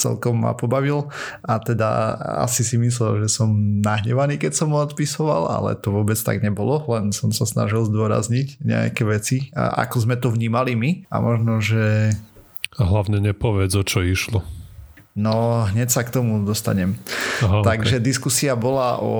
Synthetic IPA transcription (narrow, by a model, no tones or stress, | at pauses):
t͡sɛ̰lkɔmːa̰pɔbaʋilʔat̪ɛd̪a̰a̰sisimis̬lɛlʒɛsɔmnaɦɲɛʋaniːkɛcsɔmɔt̪pisɔʋala̰lɛ̰t̪ɔʋʊɔbɛt͡st̪a̰ɡɲɛbɔlɔlɛnsɔmsasna̰ʒilzd̪ʊɔɾa̰zɲicɲɛ̰a̰kɛʋɛt͡sia̰ʔa̰kɔzmɛt̪ɔʋɲiːmalimia̰mʔɔʒnɔʒɛ | ɦlaʊɲɛɲɛpɔʋɪɛd͡zɔt͡ʃɔiʃlɔ | nɔɦɲɛcsakt̪ɔmud̪ɔst̪a̰ɲɛmɦat̪aɡʒɛd̪iskusiabɔlaʔɔ̰